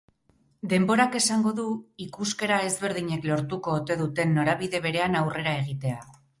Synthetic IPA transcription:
d̪e̞mbo̞ɾake̞saŋɡo̞ðuikuske̞ɾae̞zβe̞ɾð̞iɲe̞klo̞ɾt̪uko̞ːt̪e̞ðut̪e̞nːo̞ɾaβiðe̞β̞e̞ɾe̞anawre̞ɾae̞ɣ̞it̪e̞a

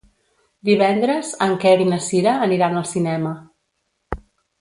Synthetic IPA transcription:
d̪iβ̞ɛnd̪ɾəzəŋkɛɾinəsiɾəːniɾanəlˠsinɛmə

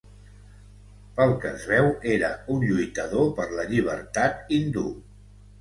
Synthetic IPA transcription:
pəlˠkəzβɛweɾəunʎujt̪əðopəɾləʎiβ̞ə̰ɾt̪at̪ind̪ṵ

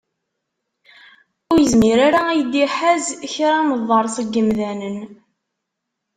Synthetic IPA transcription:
ʊɾjəzmiɾaɾaæjəd̪iħæzçɾæməðˤːəɾˤsˤəɡːəmðænən

